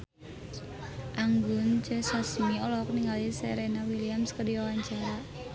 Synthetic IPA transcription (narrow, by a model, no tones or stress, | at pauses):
ʔaŋɡʊnt͡ʃɛsasmiɔlɔk̚niŋɡalisɛɾenawiliamskədiɔwaɲd͡ʒaa